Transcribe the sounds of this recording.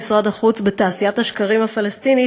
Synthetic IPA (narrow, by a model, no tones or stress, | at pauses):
sʁad̪aχut͡sbet̪aːsijat̪haʃkaʁimhafalest̪ini